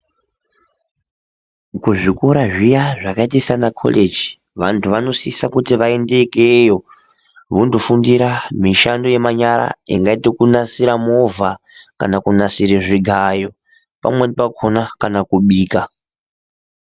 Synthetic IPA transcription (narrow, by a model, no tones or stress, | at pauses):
kuʐikuɾaʐijaʐakaitisanakʰo̰lʔed͡ʒi | ʋantʰuʋano̞sisakutiʋae̞nde̞kejo̞ | ʋundofundiɾamiʃandoje̞maɲaɾa̰ḭŋɡaitokunasiɾamo̞vʱaka̰nakunasiɾeʐiɡʱajo̞ | pa̰mwenpakʰonakanakuɓiːka